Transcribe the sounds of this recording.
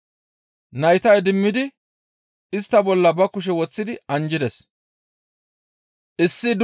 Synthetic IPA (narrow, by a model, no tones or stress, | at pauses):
nɐjt̪ɐjd̪ɪmːɪd̪ɪ | ɪst̪ːɐbɔlːɐbɐkʊʃ̬ɛwɔt͡sːɪd̪ɪɐnd͡ʒɪd̪ɛs | ʔɪsːɪd̪